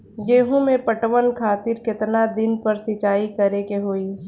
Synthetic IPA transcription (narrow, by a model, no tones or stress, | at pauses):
ɡeːɦõmẽpəʈʋənkʰaːt̪ɪɾkɪt̪nad̪ɪnpɐɾsɪt͡ʃaːikɐɾekeɦoːiː